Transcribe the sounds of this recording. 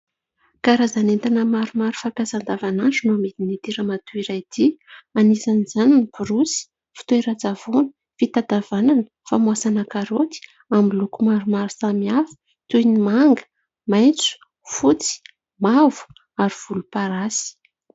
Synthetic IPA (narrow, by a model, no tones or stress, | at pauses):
kaɾazanent̪anəmaɾumaɾu̥fakazand̪avananɖ͡ʐunuamed̪init̪iɾəmat̪uiɾajd̪̥ianisanizaninipuɾusi̥ | fi̥t̪ueɾat͡sav̥onə | fit̪ad̪avananəfamuasanakaɾot̪i̥ | amilukumaɾumaɾu̥samiafi̥ | t̪ujnimaŋɡə̥ | majnt͡su̥ | fut͡si̥ | mavu̥ | aɾiv̥ulupaɾasi̥